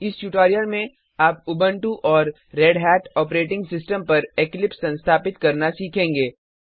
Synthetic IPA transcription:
ɪst͡ʃuːʈaːɾijəɾmẽ | aːp̚ʊbə̃ɳʈuʔɔːɾː | ɛːɖɦɛːʈɔːpɾeːʈɪ̃ŋɡsɪsʈə̃mpɐɾeklɪpssɐ̃nst̪ʰaːpɪt̪kɐɾnasiːkʰẽːŋɡeː

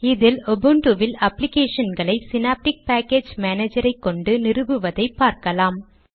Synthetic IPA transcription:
ɪðɪlɔbɯɳʈuʋɪlɐplɪkeːʂɐnɡɐɭɐɪsɪnaːp̚ʈɪk̚paːkeːd͡ʒmaːneːd͡ʒɐɾɐɪkːɔɳɖɯnɪrɯbɯʋɐðɐɪpːaːɾkɐlaːm

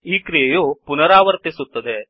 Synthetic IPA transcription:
iːkɾijɐjopunɐɾaːʋɐɾt̪isut̪ːɐd̪e

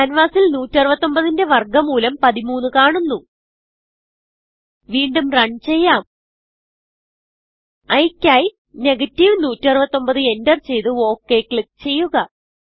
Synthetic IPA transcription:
ɐnʋaːsilnuːtːɐrɨbɐt̪ːo̞mbɐðinde̞ʋɐrɡɐmuːlɐmpɐðimuːnːɨkaːɳunːu | ʋiːɳɖumrɐɳt͡ɕe̞jːaːm | ɐjkʲːaːj | ne̞ɡɐtːiʋnuːtːiɐrɨbɐt̪ːo̞mbɐðɨe̞ndɐrt͡ɕe̞jt̪ɨo̞ːkːe̞kɭik̚t͡ɕe̞jːuɣɐ

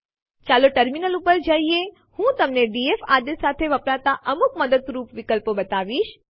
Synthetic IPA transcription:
t͡ʃaloʈəɾminəlupəɾd͡ʒəie | hũt̪əmneɖiefad̪esat̪ʰeʋəpɾat̪aʔəmukməd̪əd̪ɾupʋikəlpobət̪aʋiʃ

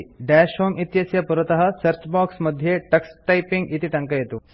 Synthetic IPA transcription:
ɖæːʃɦoːmit̪jɐsjɐpuɾɐt̪ɐɦɐsɐɾt͡ʃbaːksmɐd̪ʱjeʈɐksʈɐjpiŋɡit̪iʈɐŋkɐjɐt̪u

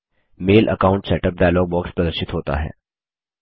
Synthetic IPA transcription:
meːlʔə̰kaːʊ̃ɳʈsɛːʈəp̚ɖaːjlɔːɡ̚bɔːkspɾɐd̪əɾʃɪt̪ɦoːt̪a̰ɦɛ̰ː

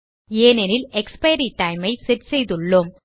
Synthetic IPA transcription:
eːnɛnɪlɛkspɐjɾiʈːɐɪmɐɪsɛɾsɛjðɯɭːom

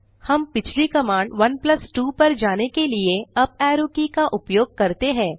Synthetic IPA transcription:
hɐmpɪt͡ʃʰlikɐmãːɳɖʋɐnplɐsʈuːpɐɾd͡ʒaːnekelieɐb̚ɛːɾoːkikaʔʊpjoːɡ̚kɐɾt̪eɦɛ̃ː

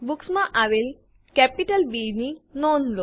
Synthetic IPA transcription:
buksmãʔaʋel | kɛpiʈəlbininɔnlo

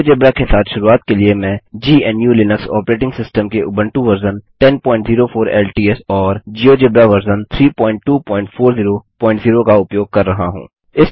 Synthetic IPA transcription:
d͡ʒɪbɾakesaːt̪ʰʃʊɾuaːt̪keliemɛ̃ːd͡ʒiːɛnjuːlɪnəksɔ̰ːpɾeːʈ̬ɪ̃ŋɡsɪsʈəmkeʔʊbə̃ɳʈuʋɐɾzənʈɛnpɔ̃ːɪ̃ɳʈziːɾofoːɾɛ̰ːlʈiːɛsɔːɾd͡ʒiːod͡ʒɪbɾaʋəɾzənt̪ʰɾiːpɔ̃ːɪ̃ɳʈʈːuːpɔ̃ːɪ̃ɳʈfʰoːɾziːɾopɔ̃ːɪ̃ɳʈziːɾokaʊpjoːɡ̚kɐɾːɐɦaɦṵ̃ː | ɪs

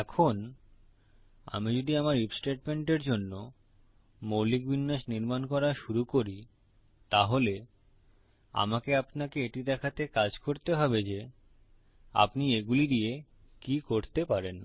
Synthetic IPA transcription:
ɛkʰon | a̰mid͡ʑod̪iamaɾipsʈeʈ̚meɳʈeɾd͡ʑonːo | molik̚bʱinːaʃniɾmankɔɾaʃuɾukoɾi | t̪aɦole | a̰makeapnakeeʈid̪ɛkʰat̪ekad͡ʑkoɾt̪eɦɔbed͡ʑe | a̰pnieɡulid̪ie | kikoɾt̪epaɾen

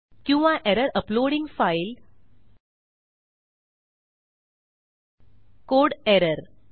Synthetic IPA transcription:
kjuːʋãʔeɾəɾəploːɽĩŋɡfaɪl | koːɖeɾəɾ

